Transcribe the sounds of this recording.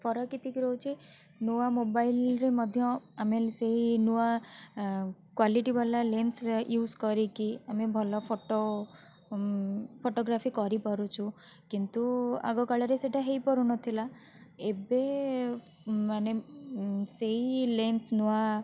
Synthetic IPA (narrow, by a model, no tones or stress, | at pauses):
fɔɾɔkit̪ikɾɔut͡ʃʰi | nuʋamobailɾimɔd̪ʱjɔ̃ameseɦinuʋa | kwaliʈibalalensjuːzkɔɾikiamebʱɔlɔpʰoʈo | pʰoʈoɡɾafikɔɾipɔɾũt͡ʃʰũ | kint̪ua̰ɡɔkaɭaɾeseʈaɦeipɔɾũnɔt̪ʰila | ebe | mane | seɦilensnuʋa